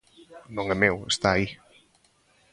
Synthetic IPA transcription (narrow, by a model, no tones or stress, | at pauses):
nõŋɛmewest̪aːi